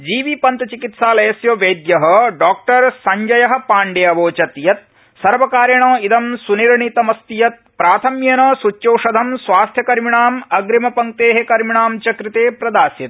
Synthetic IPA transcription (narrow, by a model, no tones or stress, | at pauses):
d͡ʒiːʋipɐnt̪ɐt͡ʃikit̪saːlɐjɐsjoʋeːd̪jɐɦɐɖaːk̚ʈɐɾsɐɲd͡ʒɐjɐɦɐ̆paːɳɖeːɐʋoːt͡ʃɐt̪jɐt̪̚ | sɐɾʋɐkaːɾjɐɳoːid̪ɐmsuniɾɳit̪ɐmɐst̪ijɐt̪̚pɾaːt̪ʰɐmjɐnɐsut͡ʃjɐwʂɐd̪ʱɐmsʋaːst̪ʰjɐkɐɾmiɳaːmɐɡɾimɐpɐŋ̚t̪eːɦekɐɾmiɳaːmt͡ʃɐkɾit̪eːpɾɐd̪aːsjɐt̪̚